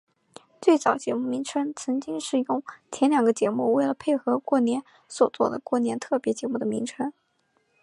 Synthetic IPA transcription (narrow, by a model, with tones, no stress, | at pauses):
t͡swe˥˩ɪt͡sɑ˨˩ʊt͡ɕjɛ˧˥mu˥˩mi˧˥ŋʈ͡ʂʰə˥ŋt͡sʰɤ˧˥ŋt͡ɕi˥ŋʂɻ̩˥˩jʊ˥˧˩ŋt͡ɕʰjɛ˧˥nljɑ˨˩ŋɡə˦t͡ɕjɛ˧˥mu˥˧we˥˩ɪlə˩pʰe˥˩ɪxɤ˧˥kwɔ˥˩njɛ˧˥n | swɔ˨˩t͡swɔ̰˥˩d̪ə˩kwɔ˥˩njɛ˧˥nt̪ʰɤ˥˩pjɛ˧˥t͡ɕjɛ˧˥mu˥˩d̪ə˩mi˧˥ŋʈ͡ʂʰɤ˥ŋ